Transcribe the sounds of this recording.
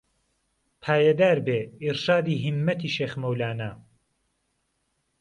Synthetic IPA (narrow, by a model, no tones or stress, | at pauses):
pʰaːjɐd̪aːɾbeːiɾʃaːd̪iːɦimːɐt̪ʰiːʃeːxmɐwlaːnɐ